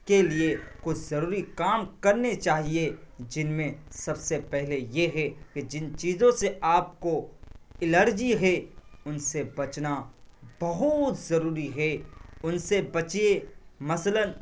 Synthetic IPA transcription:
keliekʊt͡ʃʰzɐɾuːɾikaːmkɐɾnet͡ʃaːɦied͡ʒɪnmẽsɐbsepɛɦlejeɦɛked͡ʒɪnt͡ʃiːzõseaːp̚koɪləɾd͡ʒiɦɛʊnsebɐt͡ʃnabɐɦʊt̪zɐɾuːɾiɦɛʊnsebɐt͡ʃiemɐslən

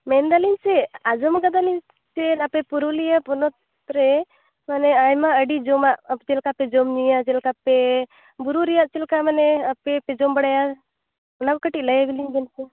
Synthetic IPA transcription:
mɛnd̪alinsɛad͡ʒɔmɡad̪alin | t͡ʃɛnapɛpuɾulijapɔnɔt̪̚ | ɾɛ | manɛajmaəɖid͡ʒɔmaʔt͡ʃɛlkapɛd͡ʒɔmɲijad͡ʒɛlkapɛ | buɾuɾijaʔt͡ʃɛlkamanɛapɛpɛd͡ʒɔmbəɽaja | nakkəʈilajabiliɲbɛnsɛ

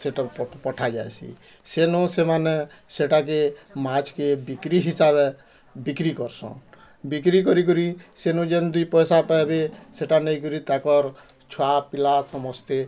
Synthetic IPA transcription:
seʈappɔʈʰad͡ʒajsʰḭ | senɔsemane | seʈak̬emat͡ʃkebikɾiɦisabe | bikɾikɔɾsɔ̰̃ | bikɾikɔɾik̬ɔɾisenɔd͡ʒend̪upɔjsapajbeseʈaneik̬ɔɾit̪akɔɾ | t͡ʃʰuapilasɔmɔst̪e

